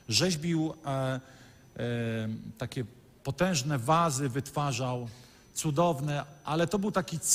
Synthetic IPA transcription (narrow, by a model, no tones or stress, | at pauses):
ʐɛʑbʲiw | t̪akʲɛ | pɔt̪ɛ̃w̃ʐnɛvazɘvɘt̪faʐaw | t̪sud̪ɔvnɛʔalɛt̪ɔbɘwt̪akʲit̪